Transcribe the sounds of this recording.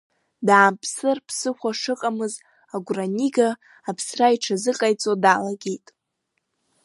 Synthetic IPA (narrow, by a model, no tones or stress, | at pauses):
daːmpʰsɨrpʰsɨxʷaʂɨqʼamɨz | aɡʷraniɡaː | pʰsraiʈ͡ʂʰazɨqʼajt͡sʼodaːlaɡʲejtʼ